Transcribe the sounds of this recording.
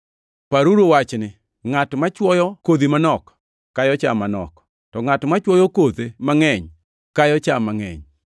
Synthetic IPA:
paɾuɾowat͡ʃnɪ | ŋatmat͡ʃwɔjɔkod̪imanɔk | kːajɔt͡ʃamanɔ̰k | tɔŋatmat͡ʃwɔjɔkod̪emaŋɛɲ | kajɔt͡ʃamaŋɛ̰ɲ

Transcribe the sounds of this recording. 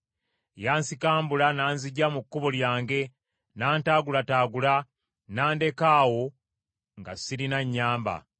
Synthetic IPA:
jaːnsikaːmbulanaːnziɟːamukːuβoljaːŋɡe̞ | naːntaːɡulataːɡula | naːnde̞kaːwo̞ | ŋɡa̰siɾinaɲːaːmba̰

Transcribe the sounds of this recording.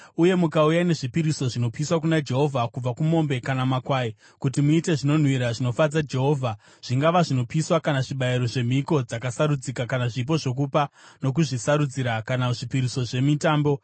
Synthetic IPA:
uje̞mukaujane̞ʐipiɾiso̞ʐino̞piswak̬unad͡ʒe̞ɦo̞vʱakub͡vakumo̞mbe̞kanamakwaːi | kutimuite̞ʐino̞n̤wiɾaʐino̞fad͡zad͡ʒe̞ɦo̞ːvʱa | ʐ̥iŋɡaʋaʐino̞piswakanaʐiɓaiɾo̞ʐe̞m̤iko̞d͡zakasaɾud͡zikakanaʐip̬o̞ʐo̞k̬upano̞k̬uʐisaɾud͡ziɾakanaʐipiɾiso̞ʐe̞mitaːmbo̞

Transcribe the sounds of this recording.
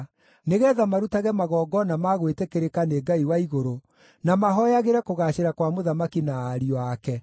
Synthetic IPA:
neɣɛːðamaɾutaɣɛmaɣɔːɡɔnamaɣwetekeɾekaneɡaiwaiɣoɾo | namaɦɔjaɣeɾɛkoɣaɕeɾakwamoðamakinaːɾiɔakɛ

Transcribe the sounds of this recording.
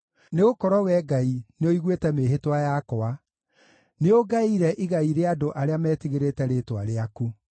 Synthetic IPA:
neɣokɔɾɔwɛɡaineoiɣwetɛmeɦetwajakɔa | neoɡaiɾɛʔiɣaiɾeadoʔaɾeamɛːtiɣeɾetɛɾetwa̰ɾeaku

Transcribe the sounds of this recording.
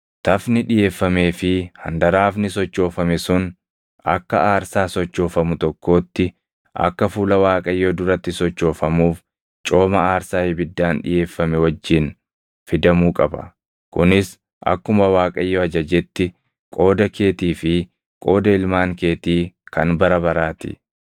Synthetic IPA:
t̪ɐfnɪᶑɪje̞ːfːɐme̞ːfɪhɐ̰nd̪ɐɾaːfnɪsɔt͡ʃːo̞ːfɐmɛsʊn | ɐ̰kːɐ̰aːɾsaːsɔt͡ʃːo̞ːfɐmʊt̪ɔkːo̞ːt̪ːɪ | ʔɐ̰kːɐfuːlɐwaːkʼɐjːoːd̪ʊɾɐt̪ːɪsɔt͡ʃːo̞ːfɐmuːf | t͡ʃʼo̞ːmɐaːɾsaːhɪbɪd̪ːaːnᶑɪ̰je̞ːfːɐmɛwɐd͡ʒːɪn | fɪd̪ɐmuːkʼɐbɐ̰ | kʊnɪs | ʔɐ̰kːʊmɐwaːkʼɐjːoɐd͡ʒɐd͡ʒɛt̪ːɪ | kʼo̞ːd̪ɐkʰe̞ːt̪iːfɪ | kʼo̞ːd̪ɐɪlmaːŋke̞ːt̪iːkɐnbɐɾɐbɐɾaːt̪ɪ̰

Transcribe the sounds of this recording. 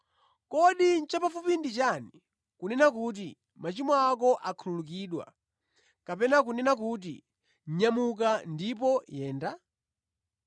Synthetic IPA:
kɔɗin̩t͡ʃapafupindit͡ʃani | kunɛnak̬uːt̬i | mat͡ʃimɔakɔʔakʰululuk̬iːɗwa̰ | kapɛnak̬unɛnakut̬ḭ | ɲ̩ɲamuk̬andipɔjɛːnda

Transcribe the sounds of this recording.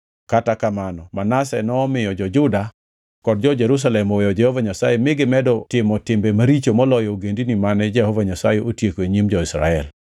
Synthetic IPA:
katakamanɔmanasɛnɔːmɪjɔd͡ʒɔd͡ʒʊda | kɔd̚d͡ʒɔd͡ʒɛɾus̬alɛmɔwɛjɔd͡ʒɛhɔvaɲasajɛmɪɡɪmɛdɔtɪmɔtɪmbɛmaɾit͡ʃomɔlɔjɔoɡendinimanɛd͡ʒɛhɔvaɲasajɛʔotjekoeɲimd͡ʒɔɪsɾa̰ɛl

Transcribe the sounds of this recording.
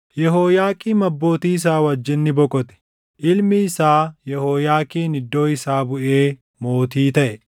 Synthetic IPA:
jɛɦoːjaːkʼiːmɐbːo̞ːt̪iːɪs̬aːwɐd͡ʒːɪnːɪbɔkʼɔt̪ɛ̥ | ʔɪlmɪːsaːjɛhoːjaːkʼiːnɪd̪ːo̞ːɪsaːbʊʔeː | mo̞ːt̪iːt̪ɐʔɛ

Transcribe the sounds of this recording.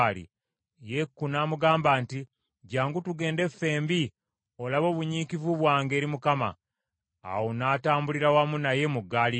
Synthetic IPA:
lḭ | je̞kːunaːmuɡaːmbaːnti | ɟaːŋɡutuɡe̞ːnde̞fːe̞ːmbi | o̞laβo̞ːβuɲiːkivuβwaːŋɡe̞ːɾimukama̰ː | wonaːtaːmbuliɾawamunaje̞muɡːaːli

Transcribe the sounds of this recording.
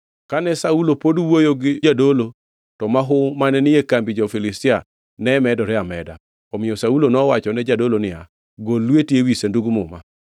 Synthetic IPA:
kanɛsaulopodwojoɡɪd͡ʒadolo | tɔmaɦʊmanɛnɪjekambid͡ʒɔfilistɪa | nɛmɛdɔɾɛamɛda̰ | ɔmɪjɔsaulonɔwat͡ʃɔnɛd͡ʒadolonɪa̰ | ɡolːwetjewisenduɡmʊma̰

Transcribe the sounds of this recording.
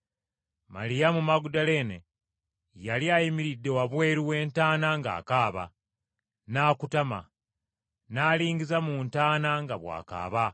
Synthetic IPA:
malijamumaɡudale̞ːnḛ | jaliajimiɾidːe̞waβwe̞ːɾiwe̞ːntaːnaŋɡa̰ːkaːβa̰ | naːkutama̰ | naːliːŋɡizamuntaːnaŋɡaβwa̰ːka̰ːβa

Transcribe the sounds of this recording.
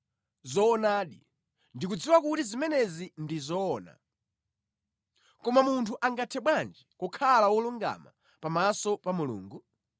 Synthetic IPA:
zɔːnaːɗi | ndik̬ud͡ziwakutizimɛnɛzindizɔːna̰ | kɔmamuntʰuʔaŋɡatʰɛɓwand͡ʒikɔkʰalawɔluŋɡa̰ma̰ | pamasɔpamulṵːŋɡu

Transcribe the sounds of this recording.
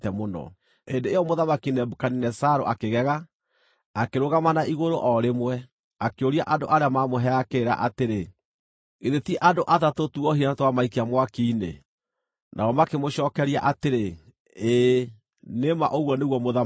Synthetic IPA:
tɛmonɔ̰ | endeejɔmoðamakinɛbokaninɛsaɾo̰ʔakeɣɛɣaː | keɾoɣamanaʔiɣoɾoʔɔɾemwɛ | akeoɾia̰ʔando̰ʔaɾeamamoɦɛakeɾa̰ʔateɾe | eðetiɛʔadoʔaðatotuɔhiatwamaikeamwakiːnḛ | nʔa̰ɔmakemoɕɔːkɛɾia̰ʔateɾe | eː | nema̰ʔoɣwɔneɣwɔmoða

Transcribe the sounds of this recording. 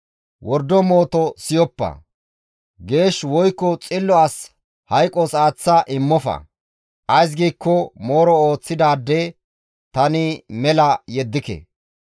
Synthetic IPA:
wɔɾd̪ːɔmo̞ːt̪ɔsɪjɔpːɐ̰ | ɡe̞ːʃwɔjkːɔt͡sʼɪlːɔaːs | hɐjkʼːɔsaːt͡sːɐʔɪmːɔfɐ̰ | ʔɐjs̬ɡiːkːɔmoːɾɔoːt͡sːɪd̪aːd̪ːɛ | t̪ɐnɪmɛlɐjɛd̪ːɪkɛ̰

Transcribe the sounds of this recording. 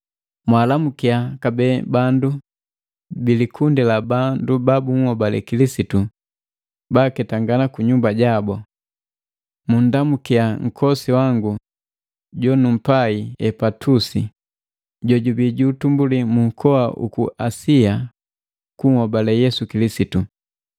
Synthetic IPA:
mwalamukiakabɛbandu | bilikʰundɛlabandubabuŋhɔbalɛ̰kilisitu | bakɛtaŋɡanakuɲumbaɟabɔ | mun̩damukiaŋ̩kʰɔsiwaŋɡu | ɟɔnum̩paiɛpatʰusi | ɟɔɟubiɟuːtumbulimuŋkʰɔaʔṵkuʔasia | kuŋhɔbalɛjɛsukilisitu

